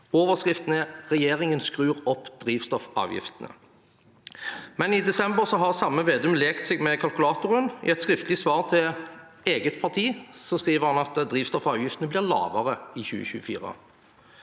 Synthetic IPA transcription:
oːʋəʁskʁɪft̪ənəʁɛjeːʁɪŋənskʁʉːʁɔpːd̪̥ʁiːʋst̪ɔfɑ̰ːʋjɪ̰ft̪ənə̰ | mɛnɪd̪ɛsɛmbəʁsɔɦɑʁsɑmːəʋeːd̪ʉmleːkt̪seːɡmɛkʰɑlkʉlɑːt̪ʊʁənɪ̰ɛt̪skʁɪft̪lɪsʋɑːʁt̪ʰɪl | eːɡət̪̚pʰɑʁt̪ʰiːsɔskʁiːʋəʁhɑnɑt̪d̪ʁiːʋst̪ɔfɑːʋjɪft̪ənəblɪʁlɑ̰ːʋəʁəɪçʉ̰ːə̰çʉ̰ːəfḭːʁə̰

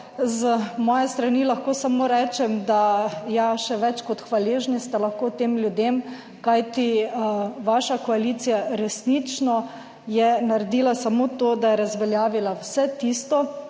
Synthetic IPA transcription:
zmɔːjɛst̪ɾanilaxkoːsamoːɾɛːt͡ʃɛmd̪ajaʃɛʋɛt͡ʃkɔt̪xʋaleːʒnist̪ɛlaxkot̪eːmlʲjud̪em | kajt̪i | ʋaʃakɔalit̪sijaɾɛsnit͡ʃnɔ | jɛnaɾɛd̪iːlasamoːt̪od̪ajɛɾazʋɛljaːʋilawsɛt̪ist̪ɔ

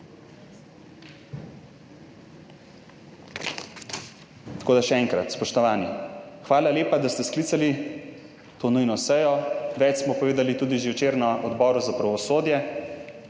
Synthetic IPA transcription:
t̪ḁkoːd̪aʃɛɛːŋkɾa̰t̪spɔʃt̪ɔʋaːnixʋaːlaleːpad̪ast̪ɛskliːt̪sali | t̪oːnujnɔsɛjɔʋɛt͡ʃsmɔpɔʋeːd̪alit̪uːd̪iʒiwt͡ʃeːɾnɔɔd̪bɔːɾuzapɾaʋɔsoːd̪jɛ

